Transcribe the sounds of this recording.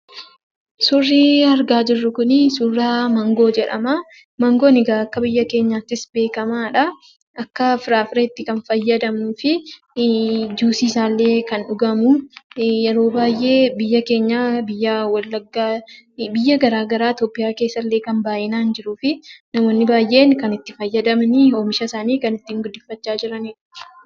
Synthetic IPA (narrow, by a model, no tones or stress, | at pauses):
sʊrːiɐɾɡaːd͡ʒɪrːʊkʊnɪsʊrːaːmɐŋɡo̞ːd͡ʒɛᶑɐ̰ma | mɐŋɡo̞ːnɪɡaːɐkːɐbɪjːɐke̞ːɲːaːt̪ːɪsbe̞ːkɐmaːᶑɐ | ʔɐkːɐfɪɾaːfɪɾeːt̪ːɪkɐnfɐjːɐd̪ɐmuːfɪ | d͡ʒuːsiːsaːlːe̞ːkɐnᶑʊɡɐmʊjɛɾo̞ːbaːjʔe̞ːbɪjːɐke̞ːɲːaːbɪjːɐwɐlːɐɡːaːbɪjːɐɡɐɾaːɡɐɾaːt̪oːpːɪjaːke̞ːsːɐlːe̞ːkɐmbaːʔɪnaːnd͡ʒɪɾuːfɪnɐmoːnːɪbaːjʔe̞ːnkɐnɪt̪ːɪfɐjːɐd̪ɐmɐnɪomɪʃɐsaːniːkɐnɪt̪ːiːŋɡʊd̪ːɪfːɐt͡ʃːaːd͡ʒɪɾɐniːᶑ